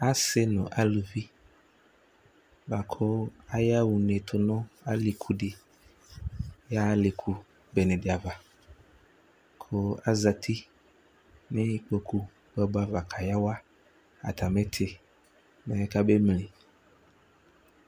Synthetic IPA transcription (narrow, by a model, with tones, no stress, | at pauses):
a˦se˦nɔ̃˨ʔa˦lu˨vi˦ | ba˨kʰʊ˦a˦ja˦wu˨ne˨t̪ʰʊ˨nɔ̃˦a˦li˨kʰu˨ɖi˨ | ja˦le˨kʰu˨ | be˨nẽ˨dɪ˨a˨va˨ | kʰo˦a˦za˨t̪ʰi˦ | nẽ˦k͡po˨kʰu˦ | ɡ͡bbo˦a˨va˨kʰa˨ja˦wa˦ | a̰˨t̪ʰa˨me˦t̪ʰɪ˨ | mɛ̃˨˦ka˦be˦mle˨